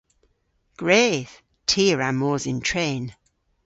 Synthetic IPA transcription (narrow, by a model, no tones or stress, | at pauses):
ɡ̥ɹeːð̥ | tʰiɹamɔːzɪ̃ntʰɹ̥ẽːn